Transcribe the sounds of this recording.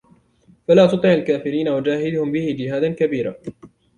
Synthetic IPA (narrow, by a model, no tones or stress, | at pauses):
falaːt̪ʊt̪ˤʕɪʕalkaːfɪɾiːnawad͡ʒaːɦɪd̪ʊhʊmbɪhɪd͡ʒɪhaːd̪ankabiːɾa̰ː